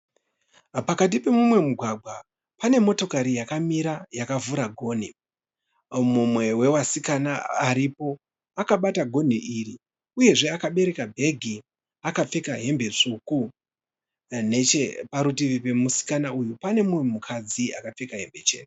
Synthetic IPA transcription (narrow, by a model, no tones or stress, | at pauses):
pakat̬ipe̞mumwe̞muɡʱwaɡʱwa | pane̞mo̞to̞kaɾijakamiɾajakavuɾaɡʱo̞ːn̤i | mumwe̞we̞wasikanaaɾipo̞ | akaɓataɡʱo̞n̤iʔiri | uje̞ʐe̞akaɓe̞ɾe̞kabʱe̞ɡʱi | akap͡fe̞kaɦe̞mbe̞t͡ʂuku | ne̞t͡ʃepaɾutiʋipe̞musi̥kanaujupane̞mumwe̞mukʰad͡ziakap͡fekaɦe̞mbe̞t͡ʃe̞̰ːte